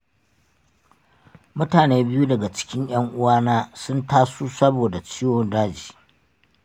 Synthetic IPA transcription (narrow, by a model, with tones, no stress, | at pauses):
mʊ˦taː˨neː˦bɪ˦ju˦dɐ˨ɡa˨t͡ʃɪ̥˦kʲɪ˦ɲj̰ɐ˦ŋʔʊ˦waː˦naː˦sʊ˦ntaː˦suː˦sɐ˦boː˨da˨t͡ʃiː˦wo˦ndaː˦d͡ʒi̥ː˨